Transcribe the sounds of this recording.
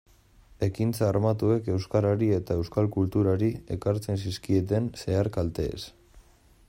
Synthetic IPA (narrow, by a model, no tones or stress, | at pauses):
e̞kint͡saːɾmat̪ue̞ke̞wskaɾaɾie̞t̪ae̞wskalkult̪uɾaɾie̞kaɾt͡se̞nsiskie̞t̪e̞nse̞aɾkalt̪e̞̰ːs